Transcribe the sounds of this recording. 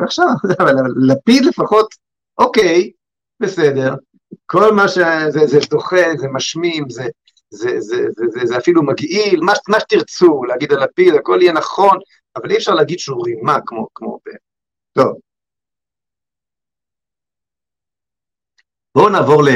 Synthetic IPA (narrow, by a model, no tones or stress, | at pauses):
aχʃavavalalapid̪le̞faχo̞t̪ | ʔokej | be̞sede̞ʁ | ko̞lmaʃezezeto̞χezemaʃmimze | zezezezezeafilumaɡilmamaʃe̥t̪iʁt͡suleaɡid̪alapidako̞lijenaχo̞n | avaliɛfʃaʁleaɡid̪ʃeuʁimakmokmo̞̰bḛ | to̞v | b̥o̞naːvo̞ʁle